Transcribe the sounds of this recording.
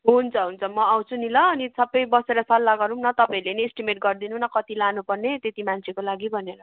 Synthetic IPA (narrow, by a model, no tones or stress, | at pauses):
ɦunt͡sʰʌɦunt͡sʰʌmʌaw̃t͡sʰunilʌːnisʌbʌjbʌseɾʌsʌlːaɡʌɾumnʌt̪ʌpãileniːsʈimeʈ̚ɡʌrd̪inunʌkʌt̪ilanupʌrnet̪et̪imant͡sʰekolaɡibʱʌneɾʌ